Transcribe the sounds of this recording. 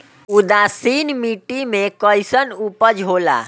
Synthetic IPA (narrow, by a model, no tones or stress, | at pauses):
ud̪aːsiːnmiːʈimẽkəjsənupəd͡ʒɦoːla̰ː